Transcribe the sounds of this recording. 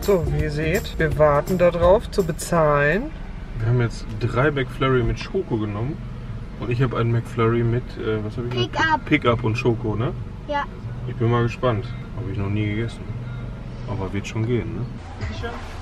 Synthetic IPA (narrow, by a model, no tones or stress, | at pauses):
z̥oːviːzeːtv̥iːɐvaɐtn̩dadʁaʊft͡subət͡saːlən | viːɐhaːbmjɛt͡std̥ʁaɪbɛkflɛʁimɪtʃoːkoɡənɔmən | ʔʊntɪçhaːbəʔa̰ɪnmɛkflɛʁimɪtʔɛːvashaːbɪçɪpʰɪkapʊntʃoːkonə | ʔɪçb̥ɪnmaːlɡəʃpant | haːbəɪçnɔχniːɡəɡɛsn̩ | ʔaːbɐvɪɐtʃoːnɡeːənːə